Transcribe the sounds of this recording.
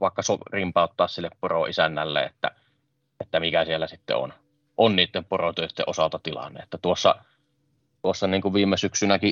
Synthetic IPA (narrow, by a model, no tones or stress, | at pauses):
ʋɑˑekːɑsorimpɑˑot̪ːɑːssilːepporoisænːælːḛet̪ːæ̰ | et̪ːæmikæsielːæsit̪ːḛo̰n | ʔonniːt̪ːemporot̪øˑøt̪ːḛʔosɑlt̪ɑt̪ilɑ̰nːḛʔet̪ːæt̪uosːɑ | t̪uosːɑniːŋkuʋʋiːmːˑesyksynækiʔ